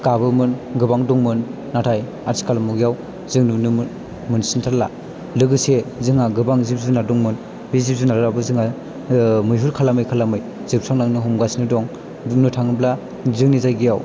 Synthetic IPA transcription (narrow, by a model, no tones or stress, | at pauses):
kabɯmɯnɡɯbaŋdɔŋmɯnː | atʰaj | aɾsʰi̥kalmuɡijaw | zɯŋnunɯ | mɯnsintʰaɾla̰ | lɯɡɯsezɯŋaɡɯbaŋzip̚zunadɔŋmɯn | bizip̚zunaɾɾabɯzɯŋa | mɯjɦuɾkʰalamɯjkʰalamɯj | z̥ɯp̚sʰaŋnaŋnɯɦumɡasnɯdɔŋ | buk̚nɯtʰaŋɯbla | zɯŋnizajɡijaw